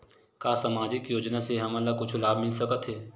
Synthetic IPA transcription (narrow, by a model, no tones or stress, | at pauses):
kaːsamaːd͡ʒɪkjoːd͡ʒnaseɦɐməlːakʊt͡ʃʰlaːbmɪlsɐkət̪ɦɛː